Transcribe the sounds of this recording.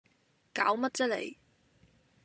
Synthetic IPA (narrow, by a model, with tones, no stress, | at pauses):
kaː˨˥wmɐ˥t̚t͡sə˥lḛ˨˩j